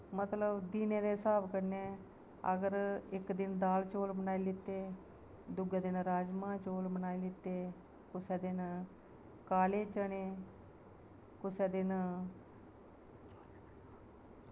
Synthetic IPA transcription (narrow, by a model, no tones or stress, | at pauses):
mət̪ləbd̪iːnẽːd̪eːsaːbkəɾneː | ə̰ɡəɾɪkd̪ɪnd̪aːlt͡ʃoːlbənaːiːlɪt̪eː | d̪ʊɡeːd̪ɪnɾaːd͡ʒmãːt͡ʃoːlbənaːilɪt̪ːeː | kʊsɛːd̪ɪn | kaːleːt͡ʃəɳeː | kʊsɛːd̪ɪn